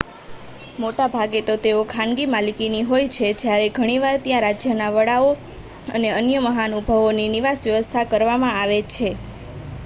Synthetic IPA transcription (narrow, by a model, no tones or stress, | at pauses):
moʈabʱaɡet̪ot̪eokʰãnɡimalikiniɦojt͡ʃʰed͡ʒjaɾeɡʱəɽ̃iʋaɾt̪jãɾad͡ʒjənaʋəɽao | ə̰neənjəməɦanubʱəʋoniniʋasʋjəʋəst̪ʰakəɾʋamãaʋet͡ʃʰe